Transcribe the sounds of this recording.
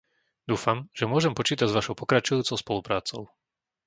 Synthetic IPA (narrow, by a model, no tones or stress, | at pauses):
d̪uːfamʒ̥ɛmʊɔʒɛmpɔt͡ʃiːt̪aɟzʋaʃɔʊpɔkɾat͡ʃɔjuːt͡sɔʊspɔlupɾaːt͡sɔʊ